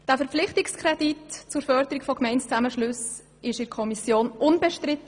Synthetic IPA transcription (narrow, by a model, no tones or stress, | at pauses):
d̥æːfɛɾp͡flɪχtɪkskʰrɛditt͡sʊɾfœɾdəɾikfɔkmɛɪntt͡saməʃlʉs | ɪʃɪɾkʰɔmisjoːnʔʊnbɛʃtɾɪtə